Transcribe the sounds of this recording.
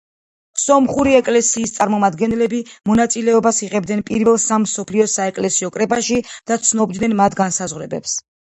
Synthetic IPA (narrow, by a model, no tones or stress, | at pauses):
sɔmχuɾiɛkʼlɛsiːst̪sʼaɾmɔmad̪ɡɛnɛlɛbimɔnat̪sʼilɛɔbasiʁɛb̚d̪ɛnpʼiɾvɛlˠsamsɔpʰliɔsaɛkʼlɛsiɔkʼɾɛpʼaʃid̪̥at̪sʰnɔbd̪nɛnmat̪ʰɡansazʁwɾɛbɛ̰ps